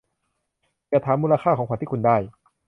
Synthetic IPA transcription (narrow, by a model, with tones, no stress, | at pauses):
ka˧˩t̪ʰaː˨˦mːuː˧la˧kʰaː˥˩kʰɔː˨˦kʰa˧˦t̪iː˥˩˨u˧ndaː˥˩j